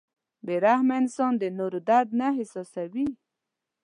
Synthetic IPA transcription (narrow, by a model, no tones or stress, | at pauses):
beɾahmansɔnd̪ənoɾod̪aɾd̪̚naɦɪsɔsawi